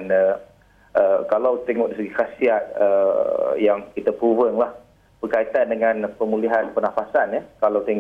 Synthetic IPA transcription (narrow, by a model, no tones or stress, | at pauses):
nə | ʔəkalawt̪eŋɔʔdisəɡikasiat̪̚ə̰jaŋkit̪apɾuvəŋlah | b̥ərkait̪andəŋãnpəmũliɦanpənafasanjəkalawt̪eŋ